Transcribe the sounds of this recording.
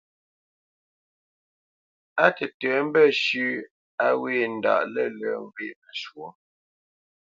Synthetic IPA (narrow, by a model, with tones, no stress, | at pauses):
a˦tə˨tə˨˦m̩˦bə˦˨ʃʉ˦ | a˦we˦˨n̩˨da̰˨ʔlə˦˨lə˨˦ŋ˦ɡwe˦˨mə˨ʃwo˨